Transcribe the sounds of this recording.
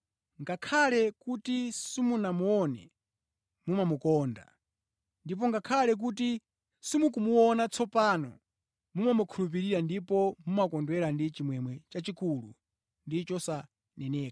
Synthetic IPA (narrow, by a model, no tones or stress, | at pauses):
ŋɡakʰalɛkutisimunamuɔnɛ̰ | mumamukɔːnda̰ | ndip̬ɔŋɡakʰalɛk̬ut̬i | simukumuɔnat͡sɔpanɔ̰ | mumamukʰulup̬iɾiɾandipɔmumakɔndwɛɾandit͡ʃimwɛmwɛt͡ʃat͡ʃikulṵ | ndit͡ʃɔsa | nɛnɛːka